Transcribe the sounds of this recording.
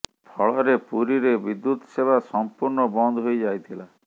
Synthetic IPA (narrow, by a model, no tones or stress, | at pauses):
pʰɔɭɔɾepuɾiɾebid̪ːut̪ɔsebʱasɔmpuɾnɔbɔnd̪ʱɦojd͡ʒajt̪ʰila